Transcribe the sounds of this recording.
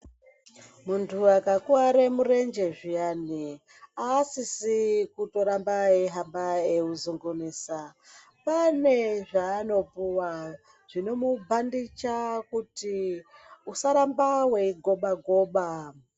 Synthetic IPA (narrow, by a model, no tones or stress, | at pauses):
muntʰuakakuaɾemuɾe̞nd͡ʒe̞ʐijani | aːsisikuto̞ɾambaeɦambaeuzuŋɡuniːsa | pane̞ʐaːno̞puwa | ʐ̥ino̞mubʱandit͡ʃakuti | usaɾambawe̞iɡʱo̞ɓaɡʱo̞ːɓa